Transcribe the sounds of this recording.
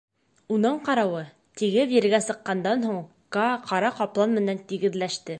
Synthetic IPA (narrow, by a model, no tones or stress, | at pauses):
unɤɴqɑɾɑwɤ | t̪iɡɘpjiɾɘ̆ɾɡæsɤ̆qːɑnd̪ɑnɦuɴ | kɑqɑɾɑqɑplˠɑnmɘ̆nænt̪iɡɘ̆ðlæʃt̪ɘ